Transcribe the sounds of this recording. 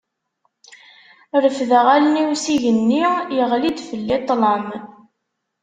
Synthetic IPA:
ɾəfðæʁæləniwsiʝənːijəʁlid̪fəlːit̪ˤːləm

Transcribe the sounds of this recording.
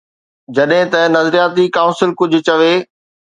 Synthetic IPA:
d͡ʑɐɗɦɪ̃t̪ɐnɐzɾijaːt̪ikãːʊ̃nsɪlkʊd͡ʑʱʊ̆t͡ɕɐʋeː

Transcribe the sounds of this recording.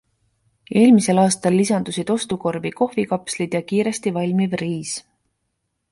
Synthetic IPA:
e̞ːlmise̞lɑːst̪ɑlːisɑnd̪̥usid̪̥o̞st̪uko̞rviko̞hvikɑpslid̪̥jɑkiːɾe̞st̪ivɑlʲmivriːs

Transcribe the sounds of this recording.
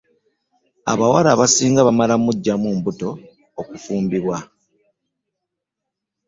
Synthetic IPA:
a̰βawaɾaβasiːŋɡaβamalamuɟːamumbuto̞ː | kufuːmbiβwa

